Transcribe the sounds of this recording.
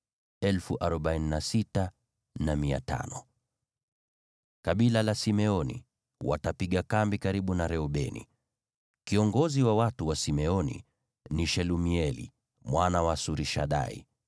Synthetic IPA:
ɛlfuʔaɾɔɓainnasita | namia̰ta̰nɔ | kaɓilalasimɛɔnḭ | wa̰tapiɠakambikaɾiɓunaɾɛɔɓɛnḭ | kiɔŋɡɔziwawatuwasimɛɔnḭ | niʃɛlumiɛlḭ | mwanawasuɾiʃaɗa̰ḭ

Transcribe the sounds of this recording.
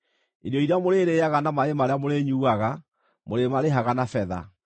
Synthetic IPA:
edɔiɾeamoɾeɾeːjaɣanamaemaɾeamoɾeɲuːaɣa | moɾemaɾeɦaɣanafɛða̰

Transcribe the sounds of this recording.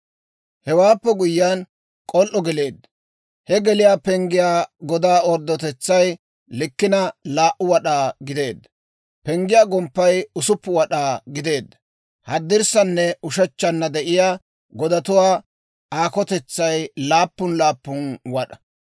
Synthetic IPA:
hɛwaːpːɛɡʊjːan | kʼɔlʔːɔɡɛle̞ːd̪ːɐ | hɛɡɛlɪjaːpɛŋɡɪjaːɡɔd̪aːɔɾd̪ːɔt̪ɛt͡sːɐj | lɪkːɪnɐlaːʔʊwɐɗaːɡɪd̪e̞ːd̪ːɐ | pɛŋɡɪjaːɡɔmpːɐjʊsʊpːʊwɐɗaːɡɪd̪e̞ːd̪ːɐ | hɐd̪ːɪɾsɐnːɛʊʃɛt͡ʃːɐnːɐd̪ɛʔɪjaː | ɡɔd̪ɐt̪ʊwaː | aːkɔt̪ɛt͡sːɐjlaːpːʊnlaːpːʊnwɐɗɐ̥

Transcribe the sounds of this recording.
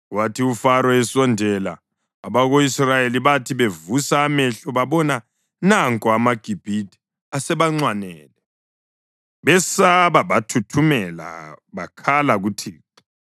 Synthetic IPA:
ɣwatʰiufaɾɔɛsɔndʱɛla̰ː | βaɣoisrajeliβatʰiβevusaːmɛɬɔβaβɔna | naŋkʼɔamaɡ̥ʱib̥ʱitʰʼi̥ | asɛβaŋ͡ǀwanɛːlɛ | βɛsaβaβatʰutʰumɛla̰βakʰalaɣutʰiːǁɔ

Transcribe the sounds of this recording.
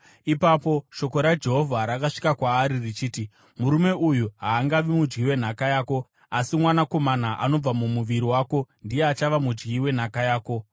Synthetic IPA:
ipapo̞ʃo̞ko̞ɾad͡ʒe̞ɦo̞vʱaɾakaʂi̥kakwaːɾirit͡ʃiːti | muɾume̞ujuɦaːŋɡaʋimud͡ʒɡiwe̞n̤akajaːko̞ | asimwanako̞manaʔano̞b͡vamumuʋiɾiwaːko̞ndije̞at͡ʃaʋamud͡ʒɡiwe̞n̤akajaːko̞

